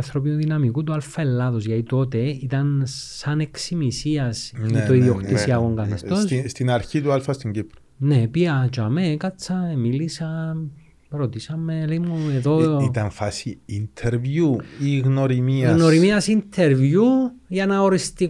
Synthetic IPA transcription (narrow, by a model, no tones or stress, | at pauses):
nθɾop̬inuðinɐmikut̪ualfɐelːɐðosʝɐt̪it̪o̞t̪eit̪ɐnː | ɐneksimisiɐst̪oiðioxt̪isiɐɣoŋɡɐθist̪osst̪inɐɾçit̪ualfɐst̪iɲɟipɾo | nepiɐt͡ʃɐmekɐt͡sːɐmilisɐ | ɾo̞t̪isɐmeleimueðoit̪ɐnfasiːnt̪ʰeɾvjuiɣnoɾimiɐɣno̞ɾimiɐsint̪ʰeɾvjuʝɐnɐoɾist̪i